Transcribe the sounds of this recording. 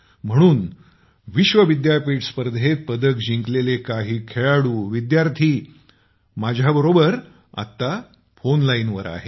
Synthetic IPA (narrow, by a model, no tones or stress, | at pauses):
m̤əɽ̃uːn | ʋiɕʋəʋid̪jaɾpiːʈspəɾd̪ʱet̪̚pəd̪əkd͡ʑiŋklelekaɦiːkʰeɭaɽuːʋid̪jaɾt̪ʰiː | mad͡ʑʱjabəɾobəɾ | a̰t̪ːa | fonlainʋəɾa̰ɦe